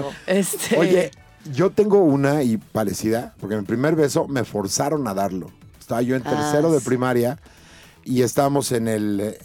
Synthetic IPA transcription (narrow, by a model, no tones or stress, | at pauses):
est̪o̞ʝe̞ | ʝo̞t̪e̞ŋɡo̞unaipaɾe̞siðapoɾkemipɾime̞ɾβe̞so̞me̞fo̞ɾsaɾo̞naðaɾlo̞̰est̪aβaʝo̞e̞neɾse̞ɾo̞ðe̞pɾimaɾja | ie̞st̪aβamo̞se̞ne̞l